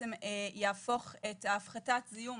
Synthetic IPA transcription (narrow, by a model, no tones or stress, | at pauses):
emejaːfo̞χetːfχatatzijum